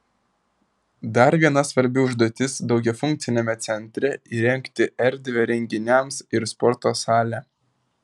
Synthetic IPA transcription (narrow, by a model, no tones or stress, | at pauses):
d̪ɐɾʋʲiɛnɐsʋɐɾʲbʲɪʊʒd̪uɔt̪ʲɪsd̪ɒʊɡʲɛfʊŋʲk̚t̪sʲɪnʲɛmʲɛt̪sʲɛnʲt̪ʲɾʲɛiːɾʲɛŋʲkt̪ʲɪʔɛɾʲd̪ʲʋʲɛɾʲɛŋʲɡʲɪnʲɛˑmsɪɾspɔɾt̪oːsɑːlʲæː